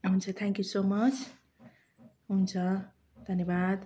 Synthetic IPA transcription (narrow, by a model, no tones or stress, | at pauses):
ɦunt͡sʰʌt̪ʰãŋkjusoːmʌt͡sʰ | ɦunt͡sʰʌ | d̪ʱʌnjebad̪